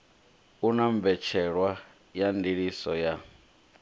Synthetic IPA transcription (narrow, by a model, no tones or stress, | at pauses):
unaɱb̪vɛt͡ʃʰɛɺwa | jandiɺisɔja